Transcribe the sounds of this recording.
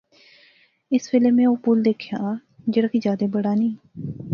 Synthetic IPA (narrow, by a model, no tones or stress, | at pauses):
ɪsʋeleːmɛ̃ːoːpʊld̪eːkʰjaːd͡ʒəɽaːkid͡ʒjaːd̪eːbəɽaːnĩː